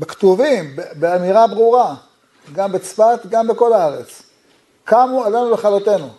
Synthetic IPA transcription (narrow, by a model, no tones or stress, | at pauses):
bekt̪uvimbebeamiʁabʁuʁa | ɡambet͡sfat̪ɡambeko̞laaʁet͡s | kamualenubeχalot̪e̞nu